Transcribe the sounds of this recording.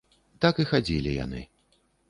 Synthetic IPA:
t̪akɨxad͡zʲilʲija̰nɨ̰

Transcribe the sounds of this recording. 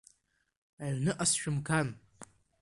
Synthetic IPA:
aɥnɨʔasʃᶣʊmkʰan

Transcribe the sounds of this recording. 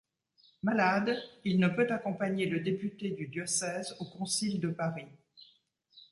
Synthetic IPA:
malad̪ilnəpøt̪akɔ̃paɲeləd̪epyt̪ed̪yd̪jɔsɛzokɔ̃sild̪əpaʁi

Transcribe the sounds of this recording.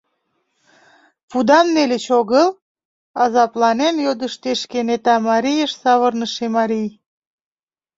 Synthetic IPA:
pud̪ɑmnelet͡ɕoɣəl | ɑzɑplɑnenjod̪əʃt̪eʃkenet̪ɑmɑɾijəʃsɑβərnəʃemɑɾij

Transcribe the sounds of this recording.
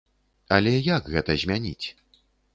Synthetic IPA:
ɐlʲɛjaɡɣɛt̪ɐzʲmʲanʲḭt͡sʲ

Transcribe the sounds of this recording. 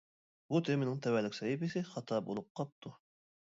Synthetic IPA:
but̪ʰemɪnɪŋt̪ʰɛwælɪkʲsɑjipɪsɪχɑt̪ʰɑbo̰lˠup̚qʰɑp̚t̪ʰu

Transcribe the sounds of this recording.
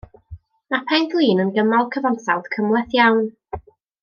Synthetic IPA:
napʰɛnɡlˠiːnənɡəmalˠkʰəvɔnsawd̥kʰəmwɛθjawn

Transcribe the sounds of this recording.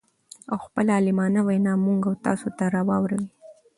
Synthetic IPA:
awxpəlaːlɪmɑnawanɑmuŋɡawt̪ɑ̰sot̪aɾɑwɑwɾawi

